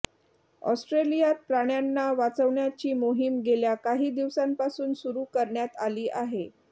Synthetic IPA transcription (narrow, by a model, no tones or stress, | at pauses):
ɔ̰sʈɾelijat̪̚pɾaɽ̃janːaʋat͡səʋɳjat͡ɕiːmoɦimɡeljakaɦiːd̪iʋsampasuːnsuɾuːkəɾɳjat̪aliːʔaɦe